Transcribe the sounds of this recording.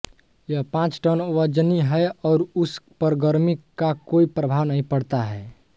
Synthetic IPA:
jəɦpãt͡ʃʈənoʋəd͡ʒəniɦɛɔːɾuspəɾɡəɾmikːakoipɾəbʱaʋnəɦĩpəɽt̪aɦɛː

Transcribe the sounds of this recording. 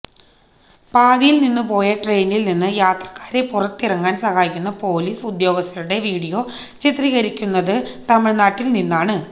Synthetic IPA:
paːðijilninːɨpo̞ːjɐʈrejnilninːɨjaːt̪rɐ̥kːḁːɾepːurɐt̪ːirɐŋːaːnsɐhaːjikʲːunːɐpo̞ːliːsud̪jo̞ːɡɐst̪ːɐɾuɽe̞ʋiːɽijo̞ː | t͡ɕit̪riɣɐɾikʲːunːɐðɨt̪ɐmɐɭnaːʈːilninːaːɳɨ

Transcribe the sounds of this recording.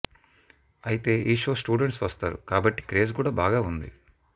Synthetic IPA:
ɐjit̪e̞ːʔiːʂo̞ːsʈuːɖeɳʈsʋɐst̪aːɾṵkaːbɐʈːi̥kɾe̞ːzkuːɽaːbaːɡaːund̪ḭ

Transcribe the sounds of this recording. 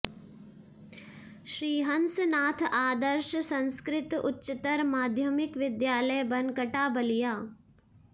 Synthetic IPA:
ʃɾiːɦɐnsnaːt̪ʰaːd̪əɾʃsɐ̃nskɾɪt̪ʊ̰tːʃət̪əɾmaːd̪ʱjəmɪkʋɪd̪jaːləjbɐnkəʈaːbɐlijaː

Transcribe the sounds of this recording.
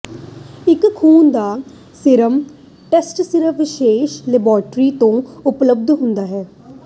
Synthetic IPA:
ɪkkʰːuːnd̪aː | sɪɾəm | ʈɛsʈsɪɾəʋɪʃeːʃlɪbaːɾʈɾiːt̪õːʊpləb̚d̪ɦʊnd̪aːɦɛː

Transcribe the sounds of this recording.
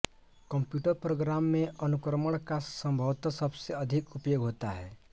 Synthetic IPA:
kə̃mpjuːʈəɾpɾoːɡɾaːmːẽʔɐnʊkɾəməɽ̃kasə̃mbʱəʋt̪asɐbseɐd̪ʱɪkʊpjoːɡɦoːt̪a̰ɦɛ̰ː

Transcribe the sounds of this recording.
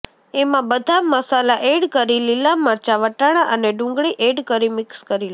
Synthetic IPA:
emãbəd̪ʱaməsalaʔeɽkəɾililaməɾt͡ʃaʋəʈaɽ̃aʔəneɖʊ̃ŋɡɭiʔeɖkəɾimɪkskəɾil

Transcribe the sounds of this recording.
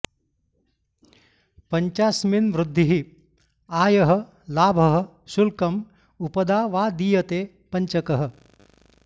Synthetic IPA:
pɐɲt͡ʃaːsminʋɾud̪ʱːiɦi | aːjɐɦə̆ | laːbʱɐɦə̆ | sulkɐm | upɐd̪aːʋaːd̪iːjɐt̪eː | pɐɲt͡ʃɐkɐɦə̆

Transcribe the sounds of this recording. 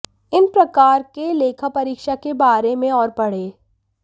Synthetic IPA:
ɪnpɾɐkaːɾkeleːkʰapɐɾiːkʃakebaːɾemẽɔːɾpɐɽ̤eː

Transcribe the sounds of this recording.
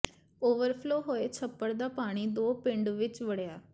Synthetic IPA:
oːʋəɾpʰloːɦoːeːt͡ʃʰəpːəɾd̪aːpaːɽ̃iːd̪oːpɪ̃ɳɖʋɪt͡ʃʋəɽjaː

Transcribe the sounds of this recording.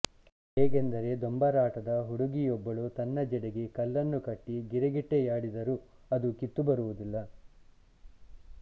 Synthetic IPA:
eːɡend̪ɐɾe̞d̪ombɐɾaːʈɐd̪ɐɦuɽuɡijɔbːɐɭut̪ɐnːɐd͡ʒɛɽeɡekɐlːɐnːukɐʈːiɡiɾeɡiʈːejaːɽid̪ɐɾuɐd̪ukit̪ːubɐɾuʋud̪ilːɐ

